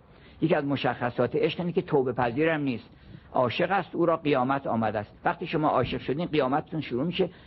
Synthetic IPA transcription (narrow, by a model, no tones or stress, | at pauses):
jeciæzmoʃæxːæsɒːt̪ʰeeʃqiːnkʰʲet̪ʰoːbe̞pʰæziːɾæmniːst̪ | ʔɒːʃe̞ɣæst̪uːɾɒːɢijɒːmæt̪ʰɒ̰ːmæd̪æːst̪væχt̪iːʃomɒːʔɒːʃe̞qʃod̪iːnɢijɒːmæt̪ʰet̪ʰunʃuɾuːmiːʃe